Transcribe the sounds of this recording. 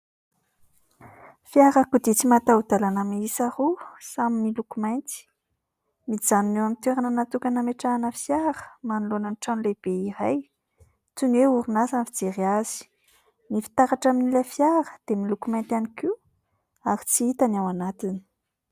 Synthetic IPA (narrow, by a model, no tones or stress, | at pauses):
fijaɾakud̪it͡simat̪aud̪alanamiisarusaminilukumajnt̪i̥ | miz̥aninewamit̪eɾanənat̪ukʲanameʈ͡ʂaːnəfjaɾə̥manulonaniʈ͡ʂanleb̥eiɾaj | t͡suneuɾunasanfid͡zeɾiaz̥i̥ | nifi̥t̪aɾaʈ͡ʂaminilefjaɾə̥d̪̥emilukumajnt̪aniki | aɾit͡siit̪anawanat̪ini̥